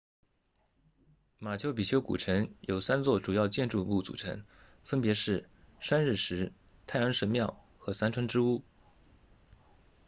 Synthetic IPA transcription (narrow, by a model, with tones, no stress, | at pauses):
ma˨˩t͡ɕʰjo˥˩ʊpi˨˩t͡ɕʰjo˥ʊkṵ˨˩ʈ͡ʂʰɤ˧˥ŋjo˨˩ʊsa˥nt͡swɔ˥˩ʈ͡ʂu˨˩jɑ˥˧ʊt͡ɕjɛ˥˧nʈ͡ʂu˥˧u˥˩t͡sṵ˨˩ʈ͡ʂʰɤ̰˧˥ŋ | fə˥npjɛ˧˥ʂɻ̩˥˩ | ʂa˥nɻ̩˥˩ʂɻ̩˧˥ | t̪ʰa˥˩ɪjɑ˧˥ŋʂə˧˥nmjɑ˥˩ʊ | xɤ˧˥sa˥nʈ͡ʂʰwa˥nʈ͡ʂɻ̩˥u˥˩